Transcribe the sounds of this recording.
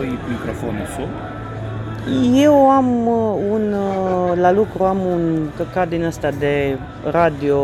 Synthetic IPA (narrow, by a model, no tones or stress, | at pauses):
it̪mikɾofonusu | je̞wamunlalukɾuamunkəkad̪inəst̪ad̪e̞ | ɾad̪io